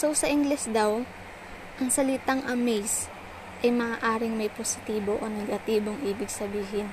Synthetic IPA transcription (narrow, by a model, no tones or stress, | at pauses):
so̞wsɐʔɪŋɡlɛsd̪ɐw | ʔɐŋsɐlɪt̪aŋʔɐmejs | ʔɐjmɐʔaːʔaːɾɪŋmɐjposɪ̥t̪iːbo̞ʔonɛɡɐt̪iːbo̞ŋʔiːbɪɡsɐbiːɦɪn